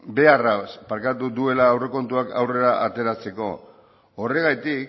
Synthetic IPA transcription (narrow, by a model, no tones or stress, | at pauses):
be̞araspaɾkat̪uðue̞laːwre̞ko̞nt̪uakʰa̰wre̞ɾaʔat̪e̞ɾat͡se̞ko̞̰ | ore̞ɣ̞ajt̪ik̚